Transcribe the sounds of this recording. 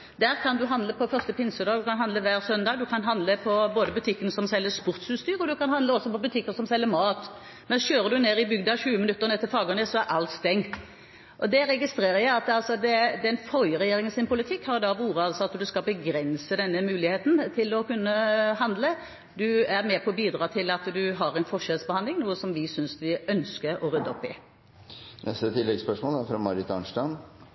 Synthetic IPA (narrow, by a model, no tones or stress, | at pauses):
d̪æːʁkʰɑnd̪ʉɦɑnd̪ləpʰɔfœʁst̪əpʰɪnsəd̪ɑːɡd̪ʉkɑnɦɑnd̪ləʋæːʁsœnd̪ɑːɡd̪ʉkʰɑnɦɑnd̪ləpʰɔboːd̪əbʉt̪ʰɪkːənsɔmsɛlːəspʊʁt̪sʉːst̪yːɾəɔd̪ʉkɑnhɑnd̪əɔsːɔpɔbʉt̪ʰɪkːəsɔmsɛlːəmɑːt̪ | mɛnsɕøːɾəd̪ʉneːɾɪbʏɡ̚d̪ɑɕʉːəmɪnʉt̪ːəʁnɛt̪ːɪfɑːɡənɛsɔæɾʔɑlt̪st̪ɛŋː | ʔɔd̪ɛɾɛɡɪst̪ɾeːɾəjæɪɑt̪ɑlsɔd̪ɛd̪ɛnfɔɾjəɾɛjeːɾɪŋənsɪnpʊlɪt̪ʰɪkːhɑɾd̪ɑʋuːɾəɑlsɔɑt̪d̪ʉskɑbəɡɾɛnsəd̪ɛnːəmʉːlɪheːt̪n̩t̪ʰɪlɔkʉnːəɦɑnd̪lə | d̪ʉæɾmɛːpʰɔbiːd̪ɾɑːt̪ʰɪlɑt̪d̪ʉɦɑɾɛɪnfɔʂɛlsbəhɑnd̪lɪŋnuːəsɔmʋɪsʏnsʋɪœnskəɾɔɾʉd̪ːəɔpːɪ̰ | nɛst̪ət̪ʰɪlːɛɡspœʂmoɔːlfɾɑmɑɾɪt̪ɑ̰nʂʈɑn